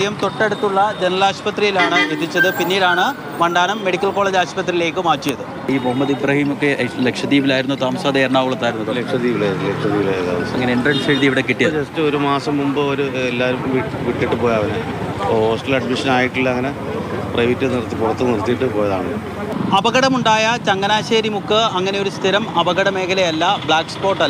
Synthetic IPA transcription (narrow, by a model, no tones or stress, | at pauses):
ijɐmt̪o̞ʈːe̞ɽut̪ːuɭːɐd͡ʑenɐlaːɕpɐt̪rijilaːɳɨeðit͡ɕːɐðɨpinːiːlaːɳɨ | ʋɐɳɖaːnɐmːe̞ɽikʲːɐlko̞ːɭeːd͡ʑaːɕpɐt̪rijile̞ːkːɨmaːt͡ɕːijɐðɨ | iːmoɦɐmːɐðibɾɐhiːmokːelekʂɐðiːʋilaːjiɾunːut̪aːmɐsaːd̪ɐeɾɐɳaːʋɣuɭɐt̪ːaːjiɾunːuðɐlekʂɐðiːʋiɭelekʂɐðiːʋiɭeða̰ːɐŋːɐneiɳɖrɐɳʂeɻiðiʋiɽe̞kiʈːijɐðd͡ʑɐstɨoɾumaːsɐmːumbɨoɾuelːaːɾumːumʋiʋiʈːiʈːɨpoːjɐʋɐnɨ | ɦo̞ːsʈɐlɐɖmiʂɐnaːjiʈːilːɐŋːɐne̞ | prɐʋitːɐnirt̪ːikurɐt̪ːɨnirt̪ːijʈːɨpo̞ːjɐðaːɳnː | ɐbɐɣɐɽɐmuɳɖaːjɐt͡ɕɐŋːɐnaːɕeːɾjimukːɨɐŋːɐne̞jo̞ɾust̪ʰiɾɐmɐbɐɣɐɽɐme̞ːkʰɐlɐjɐlːɐbɭaːkspo̞ːʈːɐl